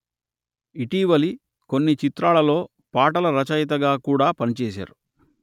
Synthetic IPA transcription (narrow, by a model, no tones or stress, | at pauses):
iʈiːʋɐli | ko̞nːit͡ʃit̪ɾaːɭɐlo̞ː | paːʈɐlɐɾɐt͡ʃɐjt̪̬ɐɡaːkuːɽaːpɐnit͡ʃɛːs̬a̰ːɾu